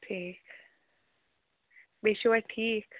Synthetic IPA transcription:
ʈʰiːk | beʃuwaʈʰiːk

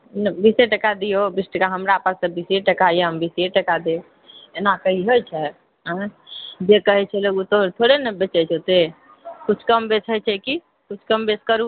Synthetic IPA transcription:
nbiseʈəkad̪ijobisʈəkaɦəmɾapəsə̃biseʈəkajəmbiseʈəkad̪e | enakəɦiɦojt͡ʃʰɛ | ɦə̃d͡ʒekəɦɛt͡ʃʰɛloɡut̪ot̪ʰoɽenəbet͡ʃɛt͡ʃʰot̪e | kut͡ʃʰkəmbet͡ʃʰət͡ʃʰɛki | kut͡ʃʰkəmbeskəɾu

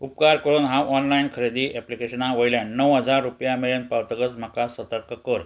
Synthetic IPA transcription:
upkaɾkəɽuːnɦaʔɔnlainkʰəɾed̪iːʔɛplikeɕənaʋəjljanːəʋɦəd͡zaɾːupjameɭenpawt̪əkət͡sm̤akasət̪əɾkəkəɾ

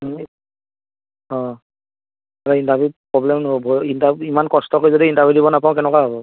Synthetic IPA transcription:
ɔ̃ | ataindabupɹɔblɛmnobɔbʱɔindabimankɔstɔkojzodiintabidibɔnapaʊ̃k̬ɛnɛkaɦɔbɔ

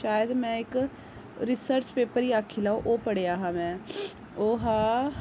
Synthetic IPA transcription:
ʃaːjəd̪mɛ̃ːɪk | ɾɪsəɾt͡ʃpeːpəɾiaːkʰːilaːõʔoːpəɽeaːɦamɛ̃ː | oːɦãː

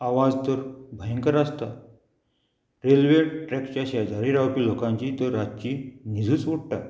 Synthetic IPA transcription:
aʋad͡zt̪əɾbʱəjə̃ŋkəɾast̪a | ɾelʋeʈɾɛkt͡ɕaɕad͡zaɾiɾawpilokãɲt͡ɕit̪əɾːat͡ɕinid͡zʱuːt͡sʋuɽ̚ʈa

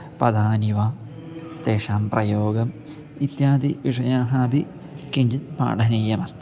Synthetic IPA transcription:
pɐd̪ʱaːniʋaːm | t̪eːʂaːmprɐjoːɡɐm | it̪jaːd̪iʋiʂɐjaːɦaːbi | kiɲd͡ʑit̪ma̰ːɖɐniːjɐmɐst̪ɐ

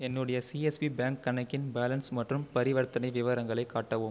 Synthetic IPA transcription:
ɛnːɯɽɐjɐsiɛspibaːŋkːɐɳɐkːɪnbaːlɐnsmɐʈrɯmpɐɾɪʋɐɾt̪ɐnɐɪʋɪʋɐɾɐŋɡɐɭɐɪkːaːʈːɐʋɯm

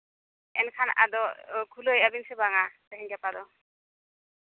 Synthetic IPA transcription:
ɛ̰nkʰana̰d̪ɔkʰulojabinsebaŋat̪aɦind͡ʒapad̪ɔ

